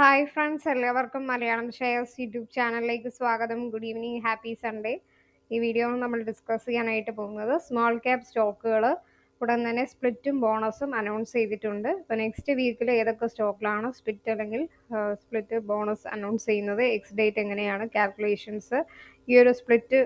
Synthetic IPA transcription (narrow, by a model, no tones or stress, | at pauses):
hɐjfrɐɳɖsɐlːɐʋɐrkumːɐlɐjaːɳɐmpɐkʂejɐsjuːʈjuːp̚t͡ɕaːnɐlileːk̬ʲːɨsʋaːɡɐðɐmɡuɽiʋniɦaːpːisɐɳɖe | iːʋiːɽijoːmnɐmːɐɭɖiskɐsikʲːaːnaːjiʈːɨpo̞ːɣunːɐðɨsmaːlkaːpsto̞ːkːuɣɐɭɨ | kuɽɐnt̪ɐnːe̞spɭitːumbo̞ːɳɐsumɐnɐwɳst͡ɕejt̪itːuɳɖɨipːoːne̞kstɨʋiːkːile̞ːðo̞kːesto̞ːkːilaːɳɨsplitːɐlːe̞ŋɡil | spɭitːɨbo̞ːɳɐsɐ̰nɐwɳnst͡ɕe̞jːunːɐðɨeksɖeːtːeŋːɐne̞jaːɳɨkaːlkʲjule̞ːʂɐnsɨiːoɾuspɭitːɨ